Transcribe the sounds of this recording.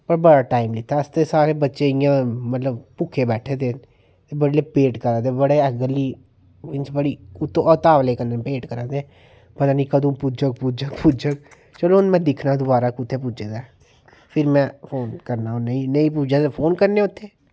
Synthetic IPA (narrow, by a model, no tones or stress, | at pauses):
pəɾbəɽaːʈaːimlɪt̪ʰːaːəst̪eːsaːɾeːbətːʃeːɪjãːmət̪ləbpʊkʰːeːbɛːʈʰeːd̪eː | t̪eːbəɽleːpeːʈkəɾãːd̪eːbəɽeːɛɡəlːiː | ʋɪnt͡ʃbəɽiːkʊt̪ʰːõːət̪aːʋleːkəɾnəpeːʈkəɾãːd̪eː | pənaːnĩːkəd̪õːpud͡ʒək̚puːd͡ʒəkpud͡ʒək̚ | t͡ʃəloːnmɛ̃ːd̪ɪkʰnãːd̪ʊbaːɾaːkʊt̪ʰːeːp̬ʊd͡ʒeːd̪aː | pʰɪɾmɛ̃ːpʰoːnkəɾnaːɦõːnəĩːnəĩːp̬uːd͡ʒaːt̪epʰoːnkəɾnẽːʊt̪ʰːeː